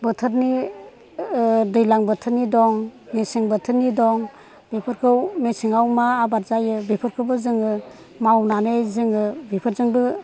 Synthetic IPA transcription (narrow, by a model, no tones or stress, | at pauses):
bɯtʰɯɾni | dɯjlaŋbɯtʰɯɾnidɔŋmesɯŋbətʰɯɾnidɔŋ | bepʰɯɾkʰɯwmesiŋawmaːbaɾzajɯbipʰɯɾkʰɯbɯzɯŋɯ | mawnanɯjzɯŋɯbipʰɯɾzɯŋbɯ